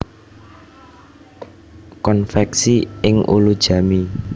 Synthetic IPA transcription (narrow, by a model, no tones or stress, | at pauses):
kɔnfɛksiɪŋʔṵlud̥ʒ̥a̤mi